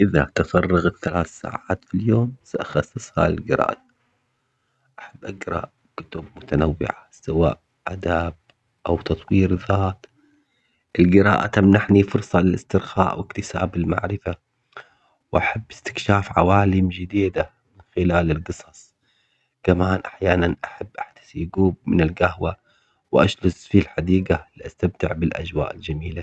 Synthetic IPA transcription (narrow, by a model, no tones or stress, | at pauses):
ʔɪðat̪afɑrˤːɑɣat̪θalaːθsa̰ːʕaːt̪filjoːmsaʔaxɑsˤːɨsˤha̰lɪ̰lɡɪɾa̰ːʔa | ʔaħabːʔaɡɾˤɑ̰ʔ | kʊt̪ʊb̚mʊt̪anawːɪ̰ʕasawa̰ːʔ | ʔad̪aːb̚ | ʔawt̪ɑt̪ˤwiːɾðaːt̪ | ʔɪlɡɪɾa̰ːʔat̪amnaħnifʊɾsˤɑlɪlɪst̪ɪɾxa̰ːʔwɪkt̪ɪsaːbɪlma̰ʕɾɪfa | wʔaħabːɪst̪ɪ̥kʃaːfʕa̰waːlɪmd͡ʒɪd̪iːd̪a | mɪnxɪlaːlɪlɡɨsˤɑsˤ | kamaːnʔaħjaːnanʔaħabːʔaħt̪ḁsɡuːb̚mɪnɪlɡahwa | wʔaʃlʊsfilħad̪iːɡaliʔast̪amt̪ɪʕbɪlʔa̰d͡ʒwa̰ːʔɪld͡ʒamiːla